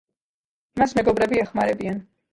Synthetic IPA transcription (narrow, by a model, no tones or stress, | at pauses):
masmɛɡɔbɾɛbiɛχmaɾɛbian